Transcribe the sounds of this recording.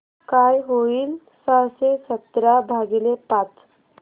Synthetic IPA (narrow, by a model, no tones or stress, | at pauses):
kajɦoiːl | səsesət̪ɾabʱaɡilepat̪